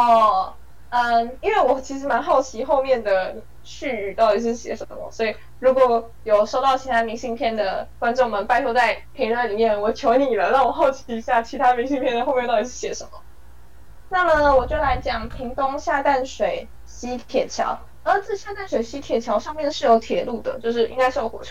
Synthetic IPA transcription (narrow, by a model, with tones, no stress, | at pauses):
ɔ˥˩ | ə˧i˥nwe˥˩ɪwɔ˨˩t͡ɕʰi˧˥ʂɻ̩˧˥ma˧˥nxɑ˥˩ʊt͡ɕʰi˧˥xo˥˧ʊmjɛ˥˩nd̪ə˩ | ɕy˥˧y˨˩t̪ɑ˥˩ʊi˨˧˩ʂɻ̩˥˩ɕjɛ̰˨˧˥ʂə˧˦mə̰˧˩mə̰˧˩swɔ˧˥i˨˩ | ɻu˧˥kwɔ˨˩˦ | jo˨˩ʊʂo˥ʊt̪ɑ˥˩ʊt͡ɕʰi˧˥t̪ʰa˥mi˧˥ŋɕi˥˧ŋpʰjɛ˥˩nd̪ə˩kwa˥nʈ͡ʂo˥˩ŋ˨mə˩npa˥ɪt̪ʰwt͡sa˥˩ɪpʰi˧˥ŋɻa˥˩nli˨˩mjɛ˥˩nwɔ˨˩t͡ɕʰjo˧˥ʊni˨˩lə˦ɻɑ˥˩ŋwɔ˨˩xo˥˩ʊt͡ɕʰi˧˥i˧˥ɕja˥˩t͡ɕʰi˧˥t̪ʰa˥˧mi˧˥ŋɕi˥˧ŋpʰjɛ˥˧nə˨˩xo˥˧m˥˧t̪ɑ˥˧˩t̪i̥˧˥˩ɕjɛ˧˥ʂə˧˥mə˩ | na˥˩mə˨ə˨wɔ˨˩t͡ɕjo˥˩la˧˥ɪt͡ɕjɑ˨˩ŋpʰi˧˥ŋt̪ʊ˥ŋɕja˥˧t̪a˥˩nʂwe˨˩˦ɪ | ɕi˥t̪ʰjɛ˨˩t͡ɕʰjɑ̰˧˥ʊ | ə˧˥t͡sɹ̩˥˧ɕja˥˧t̪a˥˩nʂwe˨˩ɪɕi˥t̪ʰjɛ˨˩t͡ɕʰjɑ˧˥ʊʂɑ˥˧ŋmjɛ˥˧nʂɻ̩˥˩jo˧˥ʊt̪ʰjɛ̰˨˦lu˥˩d̪ə̰˩t͡ɕjo˥˧ʊʂɻ̩˥˩ʔḭ˥ŋka˥ɪʂ̩˥˩wwɔ̰˨˩˥